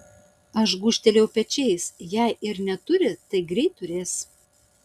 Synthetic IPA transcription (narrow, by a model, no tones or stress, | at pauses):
ɐʃɡuːʃʲt̪ʲɛlʲɛʊpʲɛt͡ʃʲɛɪsjæɪʔɪɾnʲɛt̪ʊɾʲɪt̪ɐɪɡɾʲɛɪt̪ːʊɾʲeːs